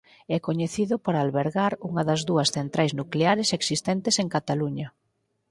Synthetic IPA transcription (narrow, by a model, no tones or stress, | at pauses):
ɛkoɲeθiðʊpoɾalβeɾɣaɾuŋɐðɐzðuɐsθent̪ɾajznukleaɾeseksist̪ɛnt̪eseŋkat̪aluɲɐ